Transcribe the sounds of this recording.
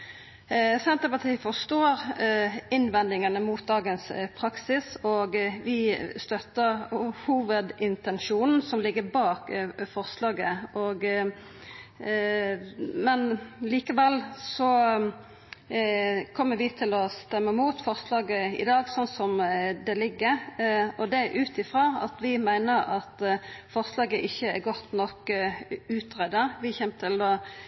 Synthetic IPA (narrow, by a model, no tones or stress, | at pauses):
sɛnt̪əɾpɑt̪ʰiːəfɔʂt̪oːɾ | ɪnʋɛnd̪ɪŋənəmʊt̪̚d̪ɑːɡənspʰɾɑksɪsɔɡʋɪst̪œt̪ːəʁhuːʋəd̪ɪnt̪ɛnʃuːnn̩sɔmlɪɡːəɾbɑːkfɔʁslɑːɡəʔɔɡ | mɛnliːkəʋɛlsɔ | kʰɔmːəɾʋɪt̪ʰɪlɔst̪ɛmːəmuːt̪fɔʁslɑːɡəɪ̰d̪ɑːɡsɔnsɔmd̪ɛlɪɡːəɔd̪ɛæʔʉːt̪ɪfʁɑːɑ̰t̪ʋɪmæɪnəɾɑt̪fɔʁslɑːɡəʔɪçːəæɾɡɔt̪nɔk | ʉːt̪ʁɛd̪əʋɪçɛmt̪ʰɪld̪o